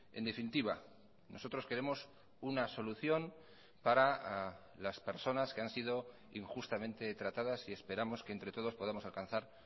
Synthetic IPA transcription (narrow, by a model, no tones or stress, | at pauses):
end̪e̞finit̪iβ̞a | nʔo̞so̞t̪ɾo̞ske̞ɾe̞mo̞s | unaso̞luθjo̞n | paɾa | laspe̞ɾso̞naske̞ansið̞o̞ | iŋxust̪amẽ̞nt̪e̞t̪ɾat̪aðasie̞spe̞ɾamo̞skeːnt̪ɾe̞t̪o̞ð̞o̞spo̞ð̞amo̞salkanθaɾ